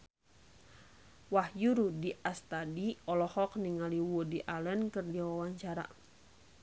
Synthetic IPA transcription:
wahjuɾudiʔast̪adiɔlɔhɔkniŋaliwɔdiʔalɛnkɨrdiawawaɲt͡ʃaɾa̰

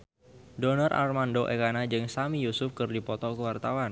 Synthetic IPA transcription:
donɔrʔa̰rmandoʔekanad͡ʒɨŋsamijusʊfkɨrdipɔt̪ɔkəwart̪awan

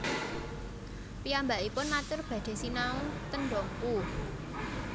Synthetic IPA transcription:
piambaʔipʊnmat͡ʃʊrb̥ä̤d̪̥e̤sinaʊnt̪ənɖɔŋku

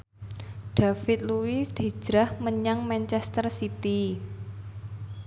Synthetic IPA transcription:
ɖ̪̥afɪt̪̚luwisd̪̥i̤̥d͡ʒ̥ɾahməɲaŋmant͡ʃɛst̪ərsit̪i

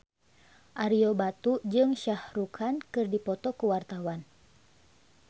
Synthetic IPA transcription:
ʔaɾiobat̪ud͡ʒɨŋʃahrukʰankɨrdipɔt̪ɔkəwart̪awan

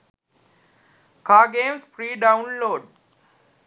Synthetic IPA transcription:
kaːɡẽːmsfɾiːɖãʊ̃nloːɖ

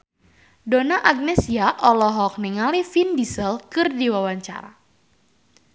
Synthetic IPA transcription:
donaʔaɡ̚nɛsiaʔɔlɔɦɔk̚niŋalifindisəlkɨrdiwawaɲt͡ʃa̰ɾa̰

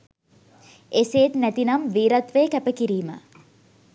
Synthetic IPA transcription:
eseːt̪næt̪inɐmʋiːɾɐt̪ʋeːkæpəkiɾiːmə̰

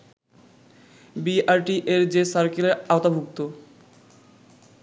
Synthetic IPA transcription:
biaɾʈiʔeɾd͡ʑesaɾkeleɾaot̪abʱuk̚t̪o

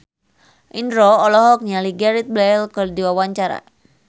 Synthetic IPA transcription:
ʔindɾɔɔlɔɦɔk̚ɲaliɡaɾit̪̚blɛlkɨrdiwawaɲt͡ʃaɾa̰

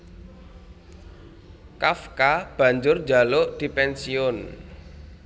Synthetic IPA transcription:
kafkab̥ä̤ɲd͡ʒʊrd̥d͡ʒa̤loʔd̪̥i̤pɛnsiʊn

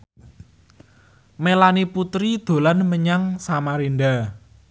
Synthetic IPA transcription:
melaniput̪ɾid̪̥o̤lanməɲaŋsamaɾinɖa

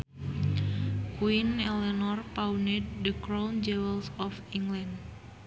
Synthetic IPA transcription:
kwinɛlɛnɔrpaunɛd̚dəkɾɔnd͡ʒɛwɛlsɔfiŋɡland

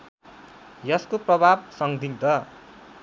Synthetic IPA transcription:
jʌskoprʌbʱab̚sʌŋd̪ʱiŋd̪ʌ

